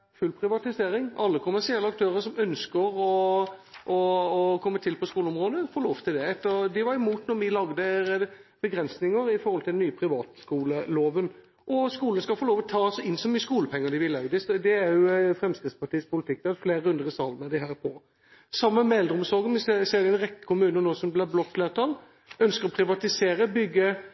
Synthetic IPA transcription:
fʉlpʰɾɪʋɑt̪ɪseːɾɪŋɑlːəkʰʊmæʁʂɪɛlːəɑkt̪ʰøːɾəsɔmœnskəɾɔ | ʔɔːkʰɔmːət̪ʰɪlpʰɔskuːləʊmʁoːd̪əfoːloːʋt̪ʰɪld̪ɛɛt̪ːəɾd̪ɪʋɑɾɛmuːt̪nɔɾʋɪlɑɡd̪ə | b̥əɡɾɛnsnɪŋəɾɪfɔɾɔlt̪ɪd̪nyːəpʰɾɪʋɑːt̪skuːləloːʋən | ʔɔskuːlənəskɑlfoːloːʋɔt̪ʰɑːsɔɪnːsɔmyːəskuːləpʰɛŋːəd̪ɪʋɪlɑʉd̪ɪst̪d̪ɛæɾjʊfɾɛmskʁɪt̪spʰɑʈiːspʰʊlɪt̪ɪk̚ːd̪ɛɛfleːɾəʉnd̪əʁəsɑlmɛd̪ɪɦæːɾpʰɔ | sɑmːəmɛɛld̪ɾʊmsɔɾɡənʋɪsseːɾd̪ɪɛnʁɛkːə̥kʰʊmʉːnənoːsɔmblɛblɔkfleːʁt̪ʰɑl | œnskəɾɔpʰɾɪʋɑt̪ɪseːɾəbʏɡːə

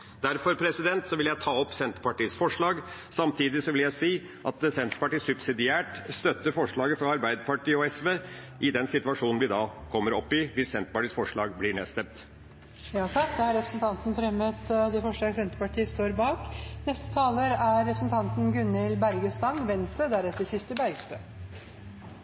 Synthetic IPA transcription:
d̪æɾfɔɾpʰɾɛsɪd̪ɛnt̪sɔʋɪljæɪt̪ʰɑːɔpːsɛnt̪ə̥pɑʈiːsfɔʂɭɑːɡsɑmt̪ʰiːd̪ɪsɔʋɪljæɪsiː | ʔɑ̰t̪̚sɛnt̪ə̥pɑʈiːsʉbsɪd̪ɪæːʈst̪œt̪ːəɾfɔʂɭɑːɡəfɾɑɑɾbæɪd̪əpɑʈʰiːəɔɛsʋeː | ʔɪd̪ɛnsɪt̪ʉɑʂuːnn̩ʋɪd̪ɑːkʰɔmːəɾɔpːɪʋɪssɛnt̪əpɑʈiːsfɔʂɭɑːɡblɪɳeːst̪ɛmt̪ | jɑːt̪ʰɑkd̪ɛhɑɾɛpɾəsn̩t̪ʰɑnt̪n̩fɾɛmət̪d̪ɛfɔʂɭɑːɡəsɛnt̪ə̥pɑʈʰiːəst̪oːɾbɑːknɛst̪ə̥t̪ʰɑːləɾæɾːɛpɾəsn̩t̪ʰɑnt̪n̩ɡʉnːɪlbæɾɡəst̪ɑŋʋɛnst̪əd̪æɾɛt̪ːəɾçɪst̪əbæɪst̪øː

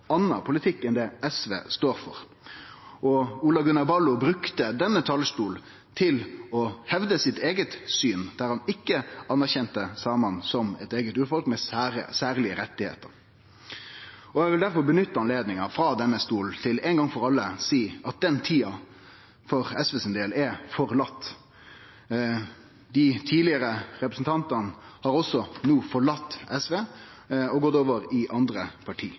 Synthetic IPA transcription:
ɑnːɑpʰʊlɪt̪ʰɪkːɛnd̪ɛɛsʋḛːst̪oːɾfɔ̰ʁ | ɔuːlɑɡʉnɑʁbɑlːʊbɾʉkt̪əd̪ɛnːət̪ʰɑlst̪uːl | t̪ʰɪlɔhɛʋd̪əsɪt̪eːɡət̪syːnd̪̥æɾhɑnɪkːəɑnːæʁçɛnt̪əsɑːmɑnsɔmɛt̪eːɡət̪ʉːɾfɔlkmɛɾə̰sæːʁlɪəɾɛt̪ːɪhḛːt̪əɾ | ɔjæɡʋɪld̪æɾfɔɾbənʏt̪ːəɑnleːd̪nɪŋəfɾɑːd̪ɛnːəst̪uːlt̪ʰɪlɛnɡɑŋfɔɾɑlːəsiːɑt̪̚d̪ɛnt̪ʰiːɑ | fɔɾɛsʋeːsɪnd̪eːlɛfɔɾlɑt̪ː | d̪ɪt̪ʰiːlɪəɾəɾɛpɾəsn̩t̪ʰɑnt̪ənhɑːɾɔsɔnuːfɔɭɑt̪ːɛsʋeː | ɔɡɔt̪oːʋəɾɪʔɑnd̪ɾəpʰɑʈʰḭː

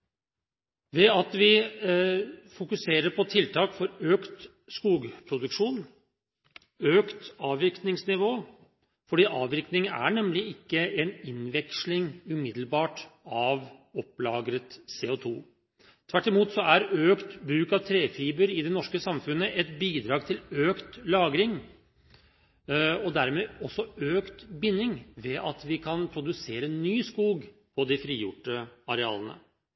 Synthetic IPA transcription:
ʋɛɑt̪ʋɪ | fʊkʉseːɾəɾpʰɔt̪ʰɪlt̪ʰɑːkfɔɾøːkt̪ | skuːɡpʰɾʊd̪ʉkʂuːn | øːkt̪ɑːʋɪknɪŋsnɪʋoː | fɔɖiːʔɑːʋɪknɪŋəæ̰ɳɛmlɪɪkːəɛnɪnʋɛkʂlɪŋʉmɪd̪l̩bɑːʈɑʋɔpːlɑːɡɾət̪seːʊt̪ʰuː | t̪ʰʋæʈːɪmuːt̪sɔæɾøːkt̪bɾʉːkɑʋt̪ʰɾeːfiːbəɾɪd̪ɛnɔʂkəsɑmfʉnːəʔɛt̪biːd̪ɾɑːɡt̪ʰɪløːkt̪lɑːɡɾɪŋ | ɔd̪æɾmeːɔsːɔøːkt̪bɪnːɪŋʋɛʔɑt̪ʋɪkʰɑnpʰɾʊd̪ʉseːɾənːyːskuːɡ | pʰɔd̪ɪfɾiːjʊʈːəɑɾɛɑ̰ːlənə̰

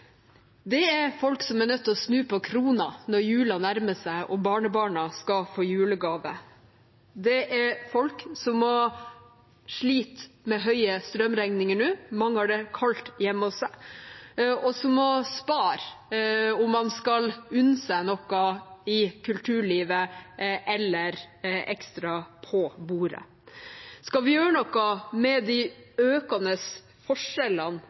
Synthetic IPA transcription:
d̪ɛɛɾfɔlksɔmænœt̪ːɔsnʉːpʰɔkʰɾuːnɑnɔɾjʉːlɑnæɾməsæɪʔɔbɑːɳəbɑːɳɑskɑfoːjʉːləɡɑːʋə | d̪ɛʔɛɾfɔlksɔmːɔ | ʂɭiːt̪mɛɦœʏəst̪ɾœmɾæŋnɪŋəɳʉːmɑŋhɑɖɛkʰɑlt̪jɛmːɔsæ | ʔɔsɔmːɔspɑːɾ | ʊmːɑnskɑlʉnseːnɔkːɑɪkʰʉlt̪ʰʉːɭiːʋəʔɛlːəɾʔɛkst̪ɾɑpʰɔbuːɾə̰ | skɑʋɪjøːɾənɔkːɑmɛd̪ɪøːkɑnəs | fɔʂɛlən

